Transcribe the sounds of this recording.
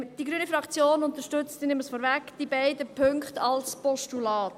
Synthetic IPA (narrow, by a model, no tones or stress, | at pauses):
d̥iɡɾyənifɾɑkt͡sjoːnʊnt̪əʃtʏt͡stdinɪmːəsfɔːɾvækd̥ibaɪdəpʰʏŋkχtɑlspɔʃtulɑːt